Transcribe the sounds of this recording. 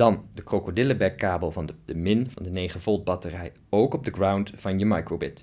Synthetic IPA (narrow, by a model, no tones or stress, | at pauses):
d̥ɑndəkrokodɪləbɛkːaːbəlˠvɑnəd̥əmɪnvɑ̰ndənejχəvɔlˠt̚bɑtərɛj | owkɔb̚dəɡrawntv̥ɑnjəmɑjkɹobɪt